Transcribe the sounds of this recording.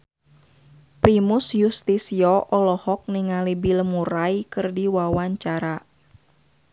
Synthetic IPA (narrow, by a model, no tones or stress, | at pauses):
pɾimusjust̪isiɔʔɔlɔhɔk̚niŋalibiləmuɾaikɨrdiwawaɲt͡ʃaɾa